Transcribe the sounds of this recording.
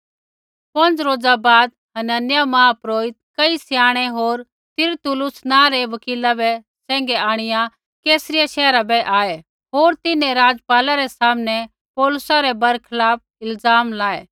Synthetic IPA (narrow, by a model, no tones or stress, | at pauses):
pɐ̃nd͡zɾoːd͡zabaːd̪ | ɦɐnənjamãːpɾoːɪt̪̚kɐisɪjaːɽ̃ɛɦoːɾ | t̪ɪɾt̪ʊlʊsnãɾɛʋɐkiːlabɛ | sɛ̃ːŋɡɛaːɽ̃ɪjã | keːsɾɪjaʃɛːɾabɛʔaːɛ | ɦoːɾt̪ɪnẽɾaːd͡zpaːlaɾɛsaːmnɛ | pɔːlʊsaɾɛbɐɾkʰɐlaːp̚ɪlzaːmlaːeː